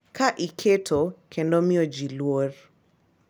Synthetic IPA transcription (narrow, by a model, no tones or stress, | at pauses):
kʰaʔikʰetʰokʰendɔmiod͡ʒilwor